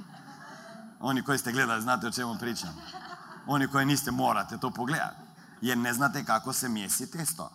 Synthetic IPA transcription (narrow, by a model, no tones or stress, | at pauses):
ɔnikɔjst̪ɛɡlɛd̪aliznat̪ɛɔt͡ʃɛmʊpɾit͡ʃam | ɔnikɔjɛnist̪ɛmoɾat̪ɛt̪opoɡlɛd̪a̰ | jɛɾnɛznat̪ɛkakɔsɛmjɛst̪it̪ɛst̪ɔ̰